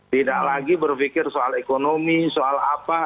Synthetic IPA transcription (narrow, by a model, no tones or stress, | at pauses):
t̪idaklaɡibərfikɪrsoalekonomisoalapa